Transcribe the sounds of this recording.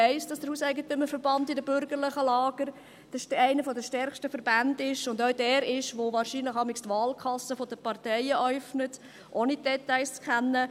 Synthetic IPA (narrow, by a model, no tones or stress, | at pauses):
ɛɪsd̥ɑsd̥əɾhuːsæɪɡətøməfəɾbɑndɪdəbʏɾɡəɾlɪχəlɑːɡ̥əɾ | d̥əæɪnəfɔdəʃtɛɾχʃtəfəɾbændɪʃʊndœʊdɛːɾɪʃʋoʋɑːɾʃiːnləχɑmɪkstʋɑːlkʰɑsːəfɔdəpɑrtɛɪəʔœʏfnət | ʔoːnidɛtaɪst͡skχænːə